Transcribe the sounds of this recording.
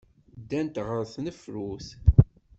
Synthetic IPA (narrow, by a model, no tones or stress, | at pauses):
d̪ːænt̪ʁəɾθnəfɾuθ